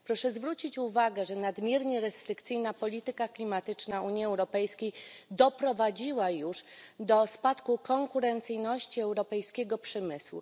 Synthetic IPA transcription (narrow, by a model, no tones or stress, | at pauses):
pɾɔʂɛzvɾut͡ɕit͡ɕuvaɡɛʐɛnad̪mʲjɛɾɲɛɾɛst̪ɾɘkt̪sɘjnapɔlʲit̪ɘkaklʲimat̪ɘt͡ʂnauɲjiɛwɾɔpɛjskʲejd̪ɔpɾɔvad͡ʑiwajuʂd̪ɔspat̪kukɔŋkuɾɛnt̪sɘjnɔɕt͡ɕiɛwɾɔpɛjskʲɛɡɔpʂɛmɘswṵ